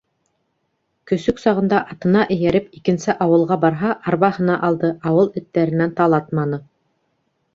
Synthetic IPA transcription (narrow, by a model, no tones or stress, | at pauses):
kɵ̆sɵksɑʁɤ̆nd̪ɑʔɑt̪ɤ̆nɑʔɘ̆jæɾɘpikɘ̆nsɘʔɑwɤ̆lˠʁɑbɑɾɦɑʔɑɾβɑhɤ̆nɑʔɑlˠd̪ɤʔɑwɤlˠɵ̆t̪ːæɾɘ̆nænt̪ɑlˠɑt̪mɑnɤ